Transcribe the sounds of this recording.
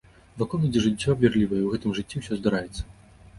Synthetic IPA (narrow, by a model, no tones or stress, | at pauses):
vakɔlˠɐd͡zʲɛʐɨt͡sʲːɔbvʲɛrlʲivɐjɐiwɣɛt̪ɨmʐɨt͡sʲːiwsʲɔzd̪aɾajɛt̪sːɐ̥